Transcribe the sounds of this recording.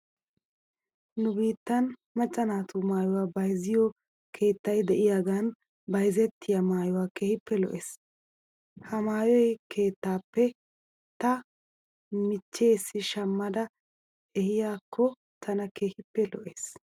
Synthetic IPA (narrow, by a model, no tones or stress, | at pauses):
nʊbiːt̪ːɐnmɐt͡ʃʼːɐnaːt̪umaːjɔwaːbɐjzɪjɔ | kʰe̞ːt̪ːɐjd̪ɛʔɪjaːɡan | bɐjzɛt̪ʰːɪjɐmaːjɔwaːkeːhɪpːɛlɔ̰ʔeːs | hɐmaːjɔjkʰe̞ːt̪ːaːpːɛ | t̪ɐ | mɪt͡ʃːe̞ːsːɪʃɐmːɐd̪ɐ | ɛhɪjaːkʰːɔ | t̪ʰɐnɐkeːhɪpːɛlɔ̰ʔeːs